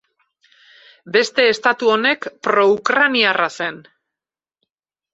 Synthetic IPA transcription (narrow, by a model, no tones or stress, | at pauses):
be̞st̪e̞ːst̪at̪uo̞ne̞kpɾo̞ukɾaniarase̞n